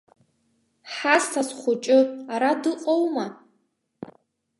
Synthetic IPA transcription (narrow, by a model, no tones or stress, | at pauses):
ħastʰasχʷʊt͡ʃʼɪaɾadɨqʼowma